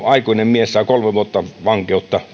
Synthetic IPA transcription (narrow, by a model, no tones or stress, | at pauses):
ɑikuinemmiessɑˑikolmeʋuot̪ːɑʋɑŋkeˑut̪ːɑ